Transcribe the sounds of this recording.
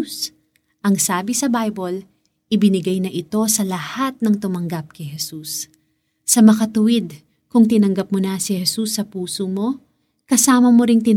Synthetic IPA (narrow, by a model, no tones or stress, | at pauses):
s | ʔɐŋsaːbɪsɐbajbol | ʔɪbɪnɪɡɐjnɐʔɪt̪o̞sɐlɐhat̪̚nɐŋt̪ʊmɐŋɡɐp̚kɐjhɛsusː | ɐmɐkɐt̪ʊwɪd̪̚ | kʊŋt̪ɪnɐŋɡɐp̚monɐsɪhɛsusːɐpuːsomo̞ | kɐsaːmɐmoɾɪŋt̪ɪ